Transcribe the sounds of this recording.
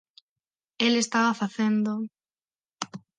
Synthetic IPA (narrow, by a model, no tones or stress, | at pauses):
elest̪aβafaθend̪o